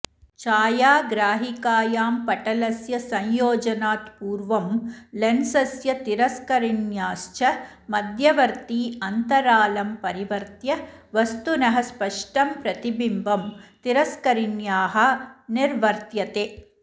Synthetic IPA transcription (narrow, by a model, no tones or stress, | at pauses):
t͡ʃaːjaːɡɾaːɦikaːjaːmpɐʈɐlɐsjɐsɐ̃ɲjoːd͡ʒɐnaːt̪puːɾʋɐmlensɐsjɐt̪iɾɐskɐɾinjaːst͡ʃɐ | mɐd̪ʱjɐʋɐɾt̪iːɐnt̪ɐɾaːlɐmpɐɾiʋɐɾt̪jɐʋɐst̪unɐɦɐspɐʂʈɐmpɾɐt̪ibimbɐmt̪iɾɐskɐɾinjaːɦɐ̆niɾʋɐɾt̪jɐt̪eː